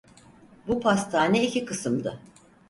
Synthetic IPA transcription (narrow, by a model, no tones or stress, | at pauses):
bupʰast̪ʰaːnɛicikɯsɯmd̪ɯ